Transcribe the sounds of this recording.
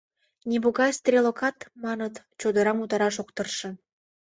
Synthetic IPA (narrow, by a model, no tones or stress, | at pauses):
nʲeβoɣɑjst̪rʲelokɑt̪mɑnət̪ | t͡ɕod̪ə̆ɾɑmut̪ɑɾɑʃok̚t̪ərʃɤ̆